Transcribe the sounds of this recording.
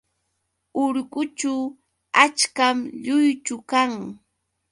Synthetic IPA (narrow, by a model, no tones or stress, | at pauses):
ʊɾɢʊt͡ʃaw | at͡ʃkamʎʊjt͡ʃʊkaŋ